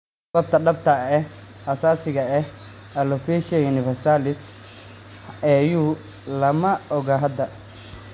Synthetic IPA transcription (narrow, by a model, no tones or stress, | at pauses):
sɐbɐb̚t̪ʰɐɖɐb̚t̪ʰɐɛhɐsaːsɪɣɐɛh | ɐlɔfɛʃiɐjʊnɪfɛrsalɪs | ɛjuː | lɐmɐɔɣaɦɐd̪ɐ